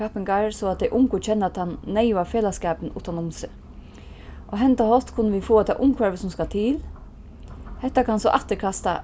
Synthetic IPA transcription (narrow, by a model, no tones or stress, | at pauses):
apɪŋkaɹsɔad̪ɛjʔʊŋkʊt͡ʃʰɛnːat̪hanːɛɪʋafeːlaskɛːpənʔṵːt̪anʊmsɪ | ʔɔɦɛnt̪ahɔlt̪kʰʊnːəʋifoːat̪ʰɛ̰ːʔʊmkʰʋɛɹʋɪsʊmskat̪ʰɪːl | hɛht̪ːakʰansɔʔat̪əɾkʰast̪a̰